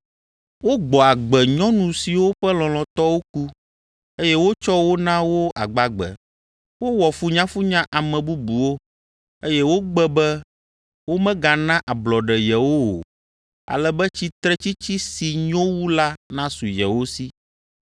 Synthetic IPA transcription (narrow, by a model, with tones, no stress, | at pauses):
wo˦ɡ͡bɔ˨a˨ɡ͡bɛ˨ɲɔ̃˦nũ˨si˨wo˦ɸɛ˦lɔ̃˨lɔ̃˨t̪ɔ˦wo˦ku˦ | e˦jɛ˦wo˦t͡ʃɔ˦wo˦nã˦wo˦a̰˨ɡ͡ba˨ɡ͡bɛ̰˨ | wo˦wɔ˨fu˦ɲã˦fu˦ɲã˦ʔa˨mɛ̃˨bu˦bu˨wo˦ | e˦jɛ˦wo˦ɡ͡bɛ˦bɛ˦ | wo˦mɛ̃˦ɡa˨nã˦ʔa˨blɔ˨ɖɛ˨jɛ˨wo˦wo̰˨ | a̰˨lɛ˨bɛ˦t͡ɕi˦t̪ɾɛ˦t͡ɕi˦t͡ɕi˦si˨ɲɔ̃˦wu˦la˦nã˦su˨jɛ˨wo˦si˦